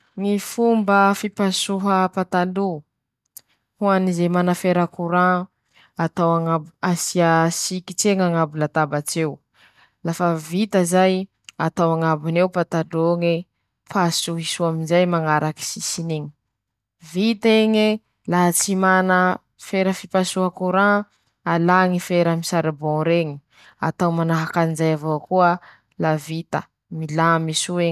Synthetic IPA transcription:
ŋifumbəfipasuɦəpat̪alu | huanizejmanafeɾəkuɾã | at̪awaŋabasiasikit͡seŋaŋabulat̪abat͡sew | lafəvit̪əzaj | at̪awaŋabinewpat̪adoŋe | pʰasuɦisuaminzajmaŋaɾaki̥sisiniɲi̥ | vit̪eŋe | laɦat͡simanə | feɾəfipasuɦakuɾã | alaŋifeɾamisaɾibɔ̃ɾeŋi̥ | a̰t̪awmanaɦakanizajavokuə | lavit̪ə | milamisue

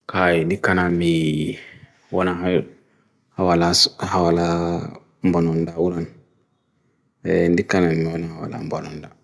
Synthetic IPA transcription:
kajindikanami | wɔnaɦa | hawalashawala | mbɔnɔndaulan | ndikanamiwɔnahawa̰la̰mbɔnɔnda

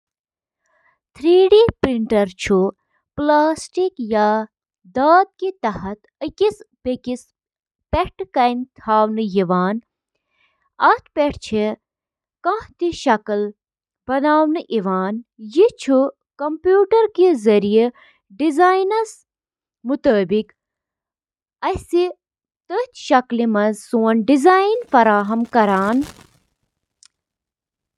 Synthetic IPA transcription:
t̪ʰɾiːɖipɾiɳʈɐɾt͡ʃʰu | plaːsʈikja | d̪aːt̪̚kit̪ɐɦɐt̪əkispekis | peʈkɐjnt̪ʰaːwnɨjiʋaːn | ɐt̪ʰpeʈʰt͡ʃʰi | kãht̪iʃɐkəl | b̥ɐnaːwnɨʔiʋaːnjit͡ʃʰu | kɐmpjuːʈɐɾkizɐɾije | ɖizaːjnɐs | mut̪əːbik | ɐsi | t̪ət̪ʃɐklimɐzsuːɐnɖizaːinfɐɾaːɦɐmkɐɾaːn

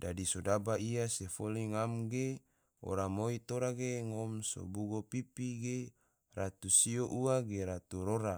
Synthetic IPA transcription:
dadisodabaiasefoliŋamɡe | o̰ɾamoit̪oɾaɡeŋomso̰buɡopipiɡe | rat̪usioʔuaɡeɾat̪uɾoɾa

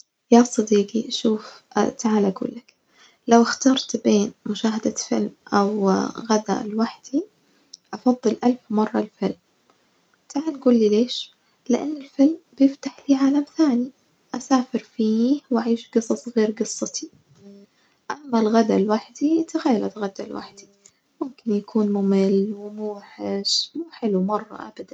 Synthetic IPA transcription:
jaːsˤɑd̪iːqiʔaʃuːft̪aʕaːlaɡṵːlːak | lawɪxt̪ɑɾˤt̪beːnmʊʃaːɦad̪afɪ̰lmʔawɣad̪a̰lwaħd̪i | ʔɑfɑðˤːɨlʔalfmɑrˤːɑlfɪlm | t̪aʕaːnɡuːlːileːʃ | lɪʔanːɪlfɪlmbjɪft̪aħliːʕaːlamθaːni | ʔasaːfɪɾfiːhwʔaʕiːʃɡɨsˤɑsˤɣeːɾɡɨsˤːɨt̪ʰi | ʔamːalɣad̪alwaħd̪iat̪aɣajːalat̪ɣad̪alwʔa̰ħd̪̥i | mʊmkɪnjakʰuːnmuːmɪlːwɪmuːħɪʃmuːħɪlumɑrˤːɑ̰ʔa̰bad̪an

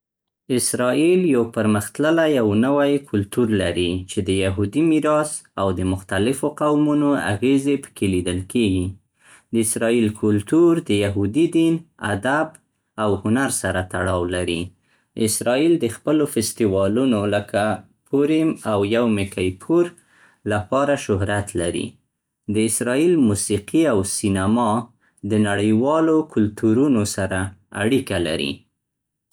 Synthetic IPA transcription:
ɪsɾɑiljawpəɾməxt̪ləlajawnəwajkʰʊlt̪uɾlaɾit͡ʃed̪əjaɦud̪imiɾɑsawd̪əmʊxt̪alɪfoqawmunoa̰ɣezepə̥kʰelid̪əlkeɡi | d̪əɪsɾɑilkʰʊlt̪uɾd̪əjaɦud̪id̪ina̰d̪ab | awhʊnaɾsaɾat̪aɽɑwlaɾi | ɪsɾɑild̪əxpəlofɪst̪iwɑlunoləkʰa | pʰuɾimawjawmɪkajpʰuɾ | lapɑɾaʃʊɦɾat̪laɾḭ | d̪əɪsɾɑilmusiqiawsinamɑ | d̪ənaɽəjwɑlokʰʊlt̪uɾunosaɾaa̰ɽikala̰ɾḭ

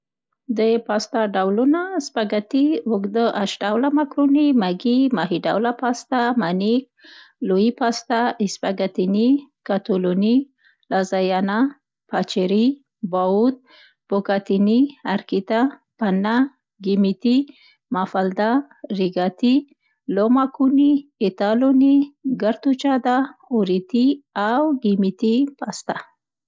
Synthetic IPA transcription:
d̪epast̪aɖawlunaspaɡat̪iʊkd̪əʔaʃɖawlamakɾunimaɡimaɦiɖa̰wlapast̪amanik̚loipast̪aʔispaɡat̪inikat̪oloni | lazajɑna | pat͡ʃiɾi | baut̪̚ | b̥okat̪iniɐɾkit̪a | pɐnːa | ɡimit̪i | mafald̪a | riɡat̪i | lomakuniit̪aluniɡɐɾt̪ut͡ʃad̪ahoɾit̪iawɡimit̪ipʰast̪a

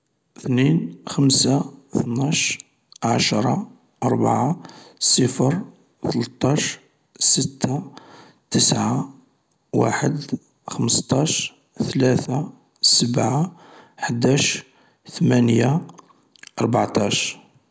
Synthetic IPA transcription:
θninxəmsaθnɑʃ | ʕaʃɾˤɑ | ʔɑɾˤba̰ʕasˤəfəɾ | θələt̪ˤːɑʃ | sət̪ʰːa | t̪əsʕa | wa̰ħəd̪ | xəməst̪ˤɑʃ | θlæθa | səbʕaħəd̪æʃ | θəmænja | ʔɑɾˤbaʕt̪ˤɑʃ

